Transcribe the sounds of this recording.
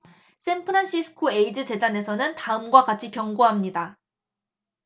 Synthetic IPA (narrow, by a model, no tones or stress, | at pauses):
s͈ʰe̞npʰɯɾanɕ͈ʰisʰɯ̥kʰoe̞id͡ʑɯt͡ɕe̞dane̞sʰʌnɯntaɯmɡwaɡat͡ɕʰikjʌŋɡoɦamɲida